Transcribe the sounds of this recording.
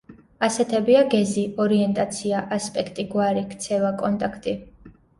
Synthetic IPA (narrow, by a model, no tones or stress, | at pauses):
asɛt̪ʰɛbiaɡɛziɔɾiɛnt̪ʼat̪sʰiaʔaspʼɛkʰt̪ʼiɡwaɾikt̪sʰɛvakʼɔnt̪ʼakʰt̪ʼi